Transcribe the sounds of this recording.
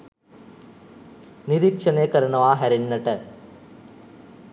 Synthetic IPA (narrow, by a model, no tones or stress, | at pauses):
niɾikʂɐneːkɐɾɐɳɐʋaːɦɐɾinːɐʈːɐ